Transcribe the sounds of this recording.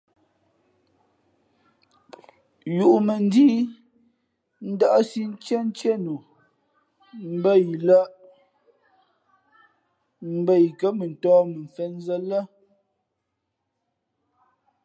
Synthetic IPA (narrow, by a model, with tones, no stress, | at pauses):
ju˨ʔu˨mə˨n˦diː˦ | n̩˦da˦ʔsi˦n̩˦t͡ʃɛ˦n̩˦t͡ʃɛ˦nu˨ | m̩˦bə˦ji˨la˦ʔ | m̩˦bə˦˨ji˨kə˦mə˨n̩˨tɔː˦mə˨ɱ˨fɛ˦n˦zə˦lə˦